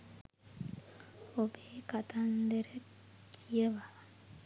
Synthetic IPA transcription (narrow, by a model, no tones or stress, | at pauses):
obeːkat̪and̪eɾe | kieʋa